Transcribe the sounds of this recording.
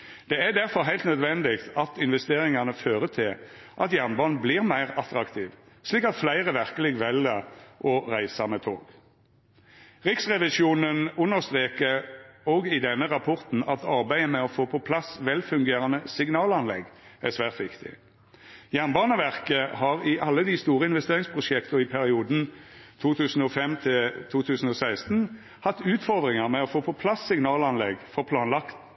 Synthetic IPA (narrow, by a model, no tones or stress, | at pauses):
d̪̥ɛæd̪æʁfɔʁɦæɪlt̪nœd̪ʋɛnd̪ɪkt̪ʰɑt̪ɪnʋɛst̪eːʁɪŋɑnəføːʁət̪ʰɪlʔɑt̪jæʁnbɑːnbliːʁmæɪʁɑt̪ɾɑkt̪ʰiːʋ | sliːkɑt̪flæɪʁəʋæʁkəlɪɡʋɛləʔɔʁæɪsəmɛt̪ʰo̰ːɡ̥ | ʁɪksʁɛʋɪʃuːnənʉnːəʁst̪ʁeːkəʁɔɡɪd̪ɛnːəʁɑpʰɔʁt̪n̩ɑt̪ʰɑʁbæɪəmɛɔfoːpʰɔpʰlɑsʋɛlfʉŋɡeːʁɑnəsɪɡnɑːlɑnlɛ̰ɡæsʋæːʁt̪ʋɪkt̪ʰɪ̰ | jæʁnbɑːnəʋæʁkəhɑːʁɪʔɑlːəd̪iːst̪uːʁəɪnʋɛst̪eːʁɪŋspʰʁʊʃɛkt̪ʊɪpʰæʁɪuːd̪n̩t̪ʰuːt̪ʰʉːsn̩ɔːfɛmt̪ʰɪt̪ʰuːt̪ʰʉːsn̩ɔːsæɪst̪n̩ | hɑt̪ːʉːt̪fɔʁd̪ʁɪŋəʁmɛɔfoːpʰɔpʰlɑsːɪŋnɑːlɑnlɛ̰ɡfɔʁpʰlɑːnlɑkt̪